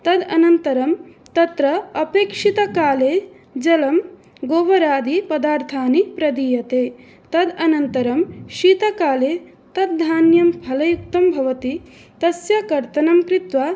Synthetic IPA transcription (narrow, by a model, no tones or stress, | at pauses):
t̪ɐd̪ɐnɐnt̪ɐɾɐm | t̪ɐt̪ɾɐɐpeːkʂit̪ɐkaːleː | d͡ʒɐlɐm | ɡoːʋɐɾaːd̪ipɐd̪aːɾt̪ʰaːnipɾɐd̪iːjɐt̪eː | t̪ɐd̪ɐnɐnt̪ɐɾɐmʃiːt̪ɐkaːleː | t̪ɐd̪̚d̪ʱaːnjɐmbʱɐlɐjuk̚t̪ɐmbʱɐʋɐt̪i | t̪ɐsjɐkɐɾt̪ɐnɐmkɾit̪ʋaː